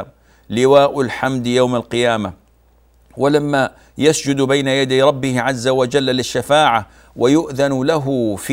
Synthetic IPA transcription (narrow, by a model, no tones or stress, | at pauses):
m | lɪwaːʔʊlħamd̪jawmalqɪjaːma | wɪlamːa | jasd͡ʒʊd̪bajnajad̪ajɾˤɑbːɪhɪʕazːawad͡ʒalːalɪʃːafaːʕa | wajʊʔðanlaɦʊf